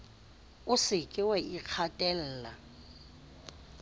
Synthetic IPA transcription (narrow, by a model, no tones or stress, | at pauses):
ʊsɪkʼɪwɛʔik͡xʰatʼɛl̩ːla